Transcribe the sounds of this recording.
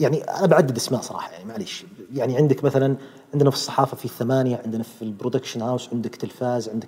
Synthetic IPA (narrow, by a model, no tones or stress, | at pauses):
jaʕniʔa̰nabaʕad̪ːɪd̪ʔasmaːʔsˤɑɾˤɑ̰ːħɑja̰ʕnimaʕaleːʃ | jaʕniʕɪnd̪ɪkmaθalan | ʕɪnd̪nafi̥sˤːɑ̥ħɑːfɑfiθːamaːnjaʕɪnd̪nafilbɾʊd̪akʃanhawsʕɪnd̪ɪkt̪ɪlfaːzʕɪnd̪ɪk